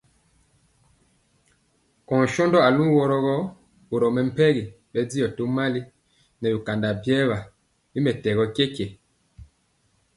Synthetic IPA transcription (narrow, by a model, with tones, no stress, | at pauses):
kɔ̃˨n˨ʃɔ˦ndɔ˦a˨lũ˦wɔ˨ɾɔ˦ɣɔ˦ | u˨ɾɔ˨mɛ˨m̩˦˨pɛ˦ɣi˨ | ɓɛ˦d͡zi˦jɔ˨tu˦ma˦li˦ | nɛ˨bu˨ka˨nda˨bjɛ˦βa˨ | bi˦mɛ˨tɛ˨ɣɔ˦ke˦ke˨